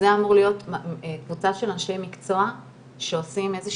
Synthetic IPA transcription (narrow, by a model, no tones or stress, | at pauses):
zeamoʁlijo̞tkvut͡saʃe̞lanʃlemikt͡so̞a | ʃeosime̞ze